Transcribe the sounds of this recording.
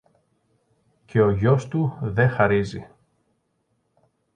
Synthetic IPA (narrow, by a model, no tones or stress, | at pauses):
cʰe̞o̞ʝo̞st̪uðe̞xɐɾizi